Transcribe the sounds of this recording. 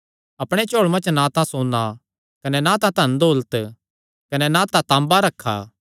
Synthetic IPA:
ɐpɽ̃et͡ʃoːɭmɐ̃nt͡ʃnãt̪ãsoːna | kɐnɛnãt̪ãt̪ɐnd̪oːlət̪ | kɐnɛnãt̪ãt̪ãːmbaɾɐkʰːa̰ː

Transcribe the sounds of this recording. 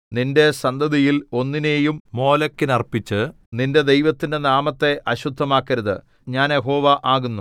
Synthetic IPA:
ninde̞sɐnd̪ʱɐðijilo̞nːine̞ːjummo̞ːlɐkːinɐrpːit͡ɕːɨ | ninde̞d̪e̞jʋɐt̪ːindenaːmɐt̪ːe̞ʔɐɕud̪ʱːɐmaːkːɐɾɐðɨ | ɲaːnje̞ɦo̞ːʋɐʔaːɣunːu

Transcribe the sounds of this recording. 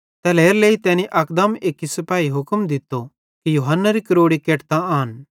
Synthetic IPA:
t̪ɛleːɾleːit̪ɛːniʔɐkd̪ɐmeːkisɐpaːiɦʊkmd̪ɪt̪ːo | kijʊɦɐnːaɾikɐɾoːɽikeːʈt̪ãːɦən

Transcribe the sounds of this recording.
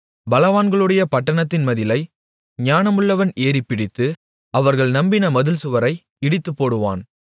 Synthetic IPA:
bɐlɐʋaːnɡɐɭɯɽɐjɐpɐʈːɐɳɐt̪ːɪnmɐðɪlɐɪ | ɲaːnɐmɯɭːɐʋɐneːɾɪpːɪɽɪt̪ːɯ | ʔɐʋɐɾɣɐɭnɐmbɪnɐmɐðɯlsɯʋɐɾɐɪ | ɪɽɪt̪ːɯpːoːɽɯʋa̰ːn

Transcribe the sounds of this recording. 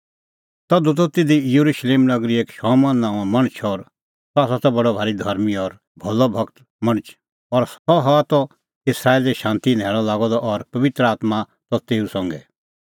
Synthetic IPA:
t̪ɐd̪ut̪̬ɔt̪ɪd̪ijɐɾuʃleːmnɐɡɾieːkʃɔːmɔnːãːãmɐɽ̃t͡ʃʰɔɾ | taːs̬ɔt̪ɔbɐɽɔbʱaːɾid̪ʱɐɾmiɔɾ | bʱɐlɔbʱɐkt̪ | mɐɽ̃t͡ʃʰ | ɔɾɔɦɔat̪ɔ | ɪsɾaːeːlɛʃãːnt̪inɛːɭɔlaːɡɔd̪ɔʔɔɾpɐʋɪt̪ɾəaːt̪ma | t̪ɔt̪eːusɔ̃ŋɡɛ̰

